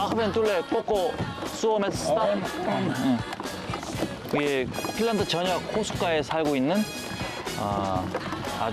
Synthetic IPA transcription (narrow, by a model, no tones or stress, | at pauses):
akʰɯbent͈uɭːek͈ok͈os͈uʌmes͈ʰa | iepʰiɭːandɯt͡ɕʌɲʌkkʰosʰu̥k͈aesʰaɭɡoinːɯn | ʌ̰ | a̰